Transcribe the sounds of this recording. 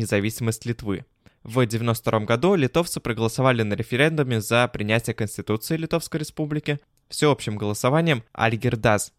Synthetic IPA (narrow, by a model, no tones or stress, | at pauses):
ɪzɐvʲisʲɪməsʲtʲlʲɪt̪vɨ̰ | vdʲɪvʲɪno̞st̪t̪ɐɾo̞mɡɐd̪ulʲɪt̪o̞ft̪sɨpɾəɡəlˠəsɐvalʲɪnəɾʲɪfʲɪɾʲe̞nd̪ʊmʲɪzəpɾʲɪnʲætʲɪjəkənʲsʲtʲɪt̪ut̪sɨɪlʲɪt̪o̞fskəjɾʲɪspublʲɪkʲɪ | fsʲɪo̞pɕɪmɡəlˠəsɐvanʲɪjəma̰lʲɡʲɪrd̪as